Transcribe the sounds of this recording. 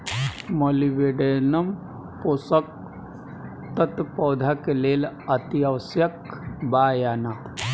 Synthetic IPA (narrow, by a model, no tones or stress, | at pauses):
moliʋeːɖeːnəm | poːsək̚ | t̪ət̪pɔːd̪ʱakeleːlɐt̪iaʋəsjəkbaːjana